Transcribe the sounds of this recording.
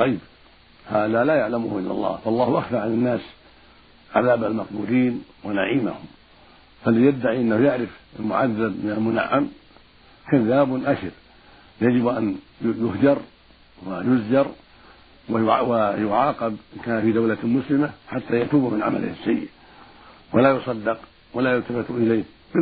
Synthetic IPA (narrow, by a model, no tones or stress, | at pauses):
ɑjːb | haːðalaːjaʕlamʊhʔɪlːa̰lˤːɑ̰ːhfɑlˤːɑːhʔaxfaɾʕanɪnːaːs | ʕa̰ðaːbalmɑqbuːliːnwanaʕiːma̰hʊm | falɪjad̪ːaʕiʔɪnːahujaʕɾɪfalmʊʕaðːabmɪnalmʊna̰ʕːam | kaðːaːbnʔaʃɪɾ | jad͡ʒɪbʔanjjʊhd͡ʒɑɾˤ | wajʊzd͡ʒɑɾˤ | wwajʊʕɑːqɑbʔɪnkaːnafid̪awlamʊslɪmaħat̪ːajat̪uːbmɪnʕama̰lɪ̰hɪsːajːɪ̰ʔ | walaːjʊsˤɑd̪ːɪq | walaːjalt̪afɪt̪ˤʔɪlajːh | bɪ